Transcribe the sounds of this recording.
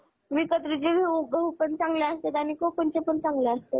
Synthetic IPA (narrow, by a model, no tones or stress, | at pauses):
ʋikət̪ɾid͡ʑeʋiubəɦupəɳt͡sãŋɡleast̪et̪anikopənt͡ɕepəɳt͡sãŋɡleəst̪ḛ